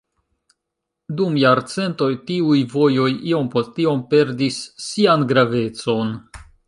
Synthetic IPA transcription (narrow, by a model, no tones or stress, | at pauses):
dumjaɾt͡se̞nto̞jtiujvo̞jo̞jio̞mpo̞stio̞mpe̞ɾdisːianɡɾave̞t͡so̞n